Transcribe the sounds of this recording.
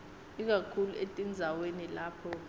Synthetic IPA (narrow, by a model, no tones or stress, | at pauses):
ik̬akʰuluetʼind͡zʱawenilaːpʰɔ